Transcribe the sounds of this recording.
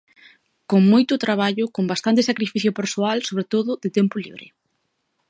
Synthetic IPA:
koŋmojt̪ʊt̪ɾaβ̞aʎʊkombast̪ant̪esakɾifiθjʊpeɾsoalsoβ̞ɾet̪oðʊðɪt̪ɛmpʊlḭβɾɪ̰

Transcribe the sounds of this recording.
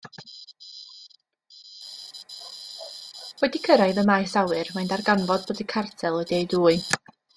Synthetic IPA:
wɛdikʰəɾaɨðəmajsawɨrmajndarɡanvɔd̚boːdikʰartʰɛlˠɔdeɨduːɨ

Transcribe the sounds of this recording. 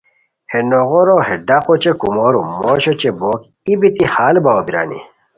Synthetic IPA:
henoɣoɾoheɖaqot͡ɕekumoɾumoːɕot͡ɕeboːk | ibit̪ihaːlbawobiɾa̰ːnḭ

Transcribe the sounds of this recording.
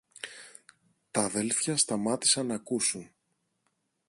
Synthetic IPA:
t̪ɐðe̞lθçɐst̪ɐmɐt̪i̥sɐnɐkusun

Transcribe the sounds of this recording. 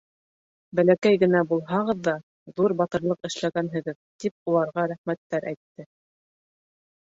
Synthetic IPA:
bælækæjɡɘ̆næbulˠɦɑʁɤ̆ðːɑ | ðuɾbɑt̪ɤ̆ɾlˠɤqɘ̆ʃlæɡænɦɘ̆ɡɘðt̪ip̚ulˠɑɾʁɑɾæχmæt̪ːæɾʔæjt̪ːɘ

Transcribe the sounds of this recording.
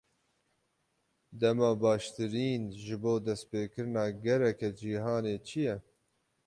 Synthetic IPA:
d̪ɛmɑːbɑːʃt̪ɨɾiːnʒɨboːd̪ɛst̪peːkɨɾɨnɑːɡɛɾɛkɛd͡ʒiːɦɑːneːt͡ʃʰijɛ

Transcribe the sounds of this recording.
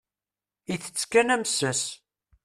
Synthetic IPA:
iθə̥t͡sːkːænæmsəs

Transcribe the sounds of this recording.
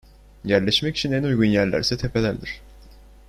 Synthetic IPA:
jæɾlʲɛʃmɛci̥t͡ʃʰinɛnujɡunjæɾlʲæ̰ɾsɛt̪ʰe̞pʰe̞lʲæɾd̪iɾ̥

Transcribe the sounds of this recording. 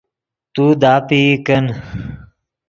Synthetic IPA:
t̪uːd̪aːpiːkən

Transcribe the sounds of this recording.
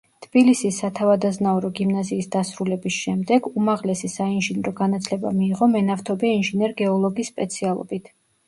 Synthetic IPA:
t̪ʰb̥ilisisːat̪ʰavad̪aznauɾɔɡimnaziːsd̪asɾulɛbisʃɛmd̪ɛɡumaʁlɛsisainʒinɾɔɡanat̪sʰlɛba̰miːʁɔmɛnaft̪ʰɔbɛainʒinɛɾɡɛɔlˠɔɡisːpʼɛt̪sʰialˠɔ̰bit̪ʰ

